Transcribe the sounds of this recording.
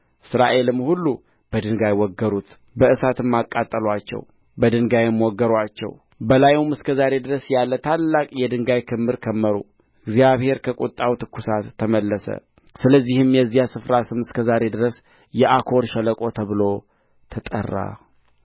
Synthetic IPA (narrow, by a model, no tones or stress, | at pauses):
ʔɨsɾa̰ʔe̞lɨmhulːu | b̥əd̪ɨŋɡajwɔɡːəɾut̪ | bəʔɨsat̪ʰɨmːakʼːat̪ʼːəlwat͡ʃːɛ̰w | bəd̪ɨŋɡajɛmwɔɡːəɾwat͡ʃːɛ̰w | bəlajumɨskʰəzaɾe̞d̪ɨɾəsjalːət̪ʰalːakʼjɛd̪ɨŋɡajkʰɨmːɨɾkʰəmːəɾṵ | ɨɡzijaβhe̞ɾkʰəkʼut̪ʼːawt̪ʰɨkːusat̪ʰːəməlːəsə̰ | sɨləzːihɨmjɛzːijasɨfɾasɨmɨskʰəzaɾe̞d̪ɨɾəs | jɛʔakʰo̞ɾʃɛləkʼo̞t̪ʰəβɨlo̞ | t̪ʰət̪ʼə̰rːa̰